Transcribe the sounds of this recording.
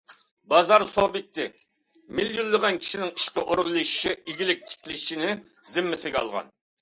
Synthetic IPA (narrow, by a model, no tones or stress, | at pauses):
bɑzɑɾsobɪt̪ʰːɪ | miljulˠːəʁɑnkʲʰi̥ʃinɪŋi̥ʃqəʔoɾʁlˠɨʃʃɪiɡʲilɪk̚ʲt̪ʰi̥kʲʰlɪʃinɪ | zɪmːɪsɪɡʲɑ̰lˠʁɑ̰n